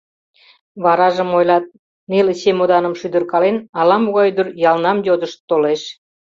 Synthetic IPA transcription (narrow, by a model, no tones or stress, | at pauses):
βɑɾɑʒəmojlɑt̪̚ | neleɕemod̪ɑnəmʃyd̪ə̆rkɑlenɑlɑmuɣɑjd̪ərjɑlnɑmjod̪əʃt̪ːoleʃ